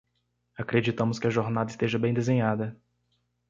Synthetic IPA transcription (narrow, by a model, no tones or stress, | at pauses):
akɾed͡ʒit̪ɐ̃mʊskɪɐʒoɾnad̪ɐɪst̪eʒɐbẽj̃d̪ezẽɲad̪ɐ